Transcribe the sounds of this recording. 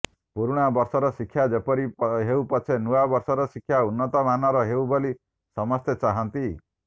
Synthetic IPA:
puɾuɽ̃abɔɾsɔɾɔsikʰːjad͡ʒepɔɾiɦeupɔt͡ʃʰenuabɔɾsɔɾɔsikʰːjaunːɔt̪ɔmanɔɾɔɦeuboli | sɔmɔst̪ʰet͡ʃaɦant̪i

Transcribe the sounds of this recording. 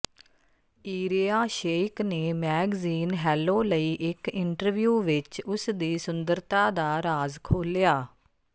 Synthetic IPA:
iːɾiːaːʃeːkneːmɛːɡziːnɦɛːloːləiːʔɪkɪɳʈəɾʋjuːʋɪt͡ʃʊsd̪iːsʊnd̪əɾt̪aːd̪aːɾaːzkʰoːljaː

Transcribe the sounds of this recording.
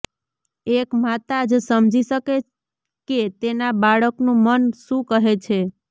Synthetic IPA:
ekmat̪ad͡ʒsəmd͡ʒiʃəke | ket̪enabaɭəknũmənʃũkəɦet͡ʃʰe

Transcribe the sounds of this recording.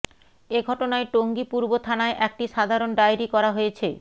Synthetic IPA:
eɡʱɔʈonaeʈoŋɡipuɾbot̪ʰanaeʔɛk̚ʈiʃad̪ʱaɾonɖajɾikɔɾaɦojet͡ɕʰe

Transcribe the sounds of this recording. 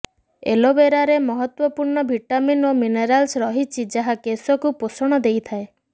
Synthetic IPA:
ḛlobeɾaɾemɔɦɔt̪wɔpuɾɳɔbʱiʈaminomineɾalsɾɔɦit͡ʃʰid͡ʒaɦakesɔkuposɔɽ̃ɔd̪ejt̪ʰae

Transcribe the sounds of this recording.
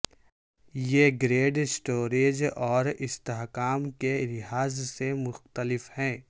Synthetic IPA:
jeɡɾeːɖsʈoːɾeːd͡ʒɔːɾɪst̪eɦkaːmkelɪɦaːzsemʊxt̪əlɪfhɛ̃ː

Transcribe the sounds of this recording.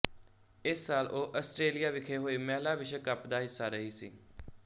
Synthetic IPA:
ɪsːaːloːʔəsʈɾeːlijaːʋɪkʰeːɦoːiːmɛːlaːʋɪʃəkəpd̪aːɦɪsːaːɾəɦiːsḭː

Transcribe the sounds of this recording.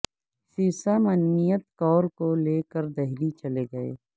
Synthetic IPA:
siːsamɐnːijət̪̚kɔːɾkoleːkəɾd̪ɐɦɾit͡ʃɐleɡɐḛː

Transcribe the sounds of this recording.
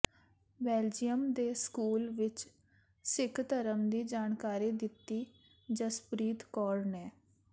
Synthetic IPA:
bɛːld͡ʒijəmd̪eːskuːlʋɪt͡ʃ | sɪkʰt̪əɾəmd̪iːd͡ʒaːnkaːɾiːd̪ɪt̪ːiː | d͡ʒəspɾiːt̪kɔːɾnɛː

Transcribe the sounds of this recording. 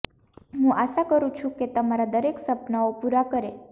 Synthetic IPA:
ɦũʔaʃakəɾũt͡ʃʰũket̪əmaɾad̪əɾeksəpnaopuɾakəɾe

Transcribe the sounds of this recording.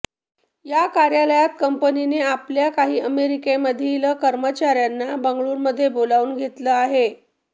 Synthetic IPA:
jakaɾjələjat̪̚kəmpənineapljakaɦiːəmeɾikeməd̪ʱːiləkəɾmət͡ɕaɾjanːabəŋɡɭuːɾməd̪ʱːjebolauːnɡʱet̪ləaɦe

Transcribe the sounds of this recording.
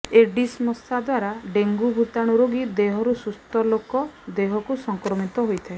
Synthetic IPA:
eɖismɔst̪ʰad̪waɾaɖeŋɡubʱut̪aɽ̃uɾoɡid̪eɦɔɾusust̪ɔlokɔd̪eɦɔkusɔŋkɾɔmit̪ɔɦojt̪ʰae

